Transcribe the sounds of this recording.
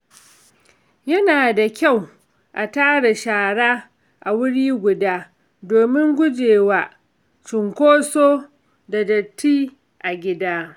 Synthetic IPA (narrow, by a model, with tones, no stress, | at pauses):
jɐ˦naː˨da˨kʲa˦˨w | ʔa˨taː˦ɽa˨ʃaː˨ɽaː˦ | ʔa˨wʊ˦ɽiː˦ɡʷʊ˨daː˦ | doː˨mɪ˦ŋɡʷʊ˦d͡ʒeː˨waː˦ | t͡ʃɪ˨ŋkʷoː˦soː˦ | da˨dɐ˨tːiː˦ | ʔa˨ɡʲɪ˦daː˦